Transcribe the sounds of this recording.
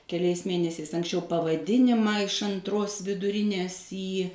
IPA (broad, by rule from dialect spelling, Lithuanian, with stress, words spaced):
kʲɛˈlʲɛɪs ˈmʲeːnʲɛsʲɛɪs ɐŋksʲˈt͡ʃʲɛʊ pɐʋɐˈdʲɪnʲɪmɑː ɪʃ ɐnˈtroːs ʋʲɪdʊˈrʲɪnʲeːs ˈiː